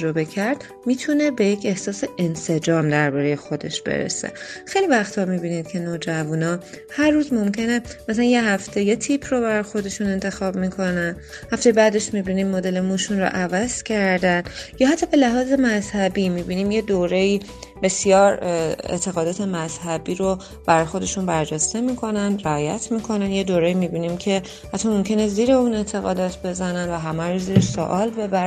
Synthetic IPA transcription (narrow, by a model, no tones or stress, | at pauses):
ɾobe̞kʰæɾd̪̥ | miːt̪ʰune̞be̞jecʰe̞hsɒːse̞ense̞d͡ʒɒːmd̪æɾbɒːɾejexo̞d̪e̞̰ʃb̥ḛɾḛse̞̰xejlivæxt̪ʰɒːmibiːnid̪̥cʰe̞noːd͡ʒævunɒː | hæɾːuːzmo̞mcʰe̞nemæsælænje̞ɦæft̪ʰe̞jet̪ʰiːpʰrobæɾɒjxo̞d̪e̞ʃune̞nt̪ʰe̞xɒːbmikʰo̞næn | hæft̪ejebæːd̪e̞ʃmibiniːmmod̪e̞le̞muːʃunro̰ʔævæz̥cʰæɾd̪ænjɒːɦat̪ʰːɒːbe̞læɦɒːze̞mæzhæbimiːbiniːmje̞d̪oːɾe̞iː | b̥e̞sijɒːɾḛt̪ʰe̞ɣɒːd̪ɒːt̪ʰe̞mæz̥hæbiːɾo | b̥æɾɒjxo̞d̪e̞ʃunbæɾd͡ʒest̪e̞miːkʰo̞nænd̪ɾæɒːjæ̰t̪ʰmiːkʰo̞nænjed̪oːɾe̞iːmiːbiːnimcʰe̞ | æt̪ʰːɒmo̞mcʰe̞neziːɾe̞uːne̞t̪ʰe̞ɣɒ̰ːd̪ɒːt̪ʰbe̞zænænd̪væɦæmæɾoziːɾeʃso̰ʔɒːlbe̞bæɾ